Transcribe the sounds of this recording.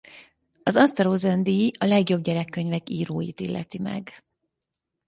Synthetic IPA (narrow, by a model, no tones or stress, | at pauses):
ɒzɒnst̪ɛɾoːzɛnd̪iɒlɛɡjo̞b̚ɟɛɾɛkːøɲvɛkiːɾoːjḭt̪ilːɛ̰t̪imɛ̰ɡ